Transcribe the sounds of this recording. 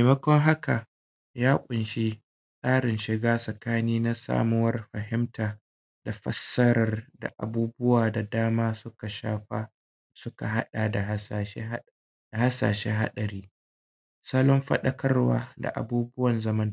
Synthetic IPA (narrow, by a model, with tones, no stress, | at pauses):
me˨mɐ˦kʷɔ˦ŋɦa˦ka˨ | jaː˦kʷʼʊ˨nʃi˦ | sʼaː˦ɽɪ˨nʃɪ˨ɡaː˦sʼɐ˨kaː˦niː˦na˦sa̰ː˦mʊ˦wɐ˦rɸɐ˨ɦɪ˦mtʰaː˨ | da˨ɸɐ̰˦sːɐ˦ɾɐ˨rda̰˨ʔa̰˨buː˦bʊ˦waː˨da˨daː˦maː˦sʊ˦ka˨ʃaː˦ɸa˦ | sʊ˦ka˨ɦa˦ɗa˨da˨ɦ | a˨ha˦sa̰ː˨ʃeː˦ɦa̰˦ɗɐ˨ɾiː˦ | sɐ˦lɔ˦mɸɐ̰˦ɗɐ˦kʰɐ˦rwa̰ː˦da̰˨ʔa̰˨buː˦bʊ˦wɐ˨nzɐ˦mɐ˦n˨